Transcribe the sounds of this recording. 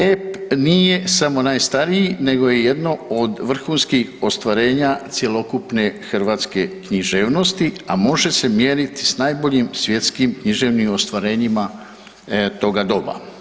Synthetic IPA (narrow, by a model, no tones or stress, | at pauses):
epnije̞samo̞najst̪aɾijine̞ɡo̞je̞je̞d̪no̞od̪ʋr̩xuːnskixo̞st̪ʋaɾe̞ːɲat̪sje̞lo̞kupne̞xr̩ʋaːt̪ske̞kɲiʒe̞ːʋno̞st̪iamo̞ʒe̞se̞mjeːɾit̪i̥snajbo̞ʎimsʋje̞t̪skimkɲiʒe̞ʋnimo̞st̪ʋaɾe̞ːɲima | t̪o̞ɡad̪o̞ba̰